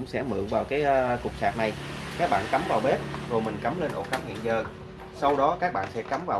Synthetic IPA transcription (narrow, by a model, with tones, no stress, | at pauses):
ʊ˧˥ŋ͡msɛ̰˧˥mɨ̰˧˨əŋvaː˨˩wkaː˨˦jʔkʊ˨˩k͡p̚saː˨˩k̚na˨˩jkaː˦˥k̚ɓa̰ː˧˨nka˨˦mvaː˨˩wɓe˦˥t̚zo˨˩jmï˨˩ŋ̟ka˨˦mle˧nʔo̰˧˥kaː˨˦mhḭ˧˨ənzəː˨˩ | sa˧wɗɔ˨˦kaː˦˥k̚ɓa̰ː˧˨nsɛ˧˥ka˨˦mvaː˨˩